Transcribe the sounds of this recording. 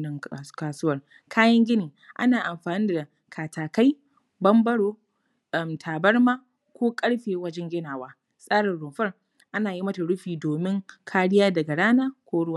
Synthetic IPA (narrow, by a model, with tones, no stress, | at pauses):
ɐ˦kaː˨sʊ˦wɐ˨r | kʰaː˦jɐ˦ŋɡʲɪ˦niː˨ | ʔa̰˦naː˨ʔa˨mɸaː˨nɪ˦da˨ | kʰaː˨tʰaː˨ka˦j | bɐ˦mbɐ˦ɽoː˦ | ʔɐ˨mtʰaː˨bɐ˦ɽmaː˦ | kʷoː˦kʼɐ˦ɽɸeː˨wɐ˦d͡ʒɛ˦ŋɡʲɪ˦naː˨waː˦ | sʼaː˦ɽɪ˨nɽʊ˨ɸɐ˦r | ʔa˦naː˨ji˦mɐ˦ta˨ɽʊ˦ɸiː˨doː˨mɪ˦ŋkʰaː˦ɽɪ˦jaː˦dɐ˨ɡa˨ɽaː˦naː˦kʷoː˦ɽʊ˦waː˨